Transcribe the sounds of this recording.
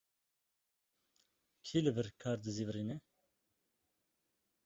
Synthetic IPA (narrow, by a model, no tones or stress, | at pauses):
kʰiːlɨbɨɾkʰɑːɾd̪ɨziːvɾiːnɛ